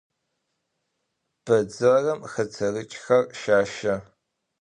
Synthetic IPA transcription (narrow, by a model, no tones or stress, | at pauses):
b̥ɐd͡zɨrɐmxɐt͡sʰɐrɨt͡ʃʼxɐrʃaːʃɐ